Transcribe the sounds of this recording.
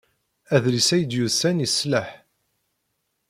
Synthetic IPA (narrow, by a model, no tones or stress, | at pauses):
æðlisæjəd̪juðsænjəsləħ